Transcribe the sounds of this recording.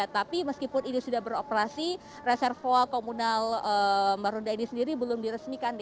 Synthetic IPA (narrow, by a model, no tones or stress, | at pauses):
at̪apiməskipʊninisudahbəɾopəɾasi | resɛrfoakomunaləmaɾundainisəndiɾibəlʊmdiɾəsmikan